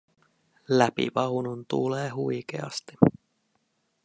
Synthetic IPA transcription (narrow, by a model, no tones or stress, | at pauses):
læpḭʋɑwnunt̪uleːɦujkḛɑ̰st̪i̥